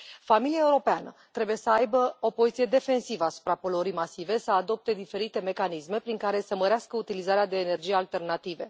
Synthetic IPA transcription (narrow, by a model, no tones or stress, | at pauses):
familiae̞uɾo̞peanət̪ɾe̞buje̞səajbəo̞pozit̪sije̞d̪e̞fe̞nsivəasu̥pɾapolo̞ɾijmasive̞səad̪o̞p̚t̪e̞d̪ife̞ɾit̪e̞me̞kanisme̞pɾiŋkaɾe̞səməɾeaskəut̪ilizaɾead̪e̞ːne̞rd͡ʒijealt̪e̞rnat̪ive̞